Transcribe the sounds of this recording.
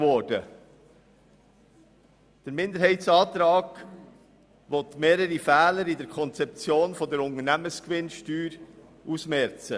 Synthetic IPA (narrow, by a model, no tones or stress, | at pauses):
vɔɾd̥ə | d̥əɾmɪndəɾhɛɪtsɑːtɾɑːɡ̥ | vɔtmeːɾəɾifɛːləɾɪdɛɾkʰɔnt͡sɛp̚t͡sjoːnfɔdəɾʊntənæməskvɪnʃtyːɾ | ʔusmɛɾt͡sə